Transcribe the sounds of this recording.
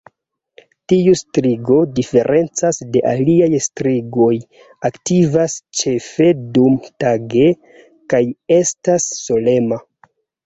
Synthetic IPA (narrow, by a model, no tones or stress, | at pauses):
tiustɾiɡo̞dife̞ɾʔe̞nt͡sasde̞ʔa̰liajstɾiɡo̞j | aktivast͡ʃe̞fe̞dumtaɡe̞ | kaje̞stasːo̞le̞ma